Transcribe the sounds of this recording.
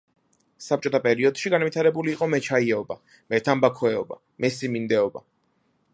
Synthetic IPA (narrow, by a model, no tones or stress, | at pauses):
sap̚t͡ʃʼɔt̪ʰapʼɛɾiɔd̪̥ʃiɡanvit̪ʰaɾɛbuliːqʼɔmɛt͡ʃʰaiɛɔba | mɛt̪ʰambakʰwɛɔba̰ | mɛsimind̪ɛɔba̰